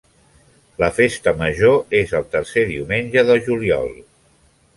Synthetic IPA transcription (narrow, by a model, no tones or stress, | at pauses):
ləfest̪əməʒoezəlˠt̪əɾseðiumenʲʒəðəʒuliɔ̰lˠ